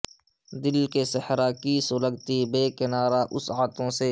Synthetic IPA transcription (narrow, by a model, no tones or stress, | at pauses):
d̪ɪlkesəhɾakiːsʊləɡt̪ibeːkɪnaːɾaʔʊsaːt̪ʰõːse